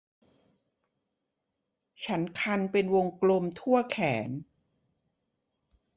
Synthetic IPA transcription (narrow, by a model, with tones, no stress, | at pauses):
t͡ɕʰa˦˥nkʰa˧npe˧nwo˧ŋklo˧mt̪ʰu˥˩ɐkʰɛː˩˦n